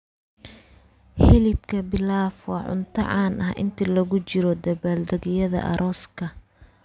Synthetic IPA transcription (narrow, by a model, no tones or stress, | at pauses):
hɪlɪbkʰɐbɪlaːfwɑːʕʊ̰nt̪ʰɐ̰ʕɑːnʔɐhʔɪ̰nt̪ʰilɐɣʊt͡ʃɪɾɔd̪ɐβaːld̪ɐɣɪjɐðɐ̰ʔɐ̰ɾʔɔːskʰɐ